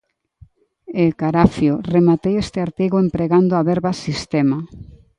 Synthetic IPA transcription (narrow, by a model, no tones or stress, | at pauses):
ekaɾafjoremat̪ewest̪eaɾt̪iɣoempɾeɣand̪oaβɛɾβasist̪ema